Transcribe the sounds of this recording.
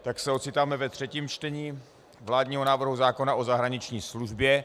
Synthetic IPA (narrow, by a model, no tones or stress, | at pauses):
t̪aksɛo̞t̪sɪt̪aːmɛvɛt̪r̝̥ɛciːmt͡ʃt̪ɛɲiː | vlaːdɲiːɦonaːvr̩ɦuzaːko̞naʔo̞zaɦɾaɲɪt͡ʃɲiːsluʒbjɛ